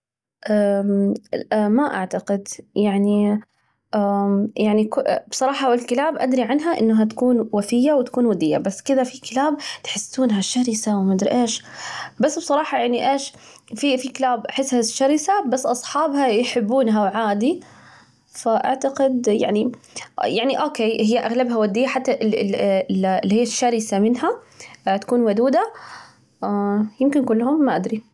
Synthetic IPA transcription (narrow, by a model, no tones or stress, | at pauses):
ʔa | maʔa̰ʕt̪aqɪd̪jaʕni | ʔajaʕnikʊbsˤɑɾˤɑːħɑwɪlkɪlaːbʔad̪ɾiʕanɦaʔɪnːɦat̪ḁkuːnwafɪjːawɪt̪ḁkuːnwad̪ɪjːa̰basːkɪd̪afikɪlaːb̚t̪ħɪsːuːnɦaʃaɾɪsawmad̪ɾʔeːʃbasːbsˤɑɾˤɑːħɑjaʕniʔeːʃ | fifikɪlaːbʔaħɪsːhaʃːaɾɪsabasːʔɑsˤħɑːbhajħɪbːuːnɦawʕaːd̪i | faʔa̰ʕt̪aqɪd̪ja̰ʕnijaʕniʔoːkeːhɪjːaʔaɣlabhawad̪ːijːaħat̪ːaʔɪɪllːihiːaʃːaɾɪsamɪnɦa | t̪ḁkuːnwad̪uːd̪a | jɪmkɪnkʊlːhʊmːaʔad̪ɾi